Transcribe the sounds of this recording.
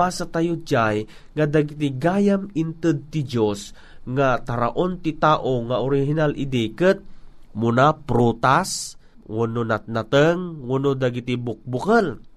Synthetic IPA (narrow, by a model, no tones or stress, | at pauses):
asat̪ajʊd͡ʒaj | ŋad̪aɡit̪̬ɪɡajamɪnt̪ɨd̪̚t̪ɪd͡ʒos | ŋat̪aɾaʔont̪ɪt̪aʔoŋaʔʊɾɪɦinalʔɪd̪ikɨt̪̚munapɾut̪as | ŋunonat̪̚nat̪əŋŋunod̪aɡit̪ibʊk̚bʊkəl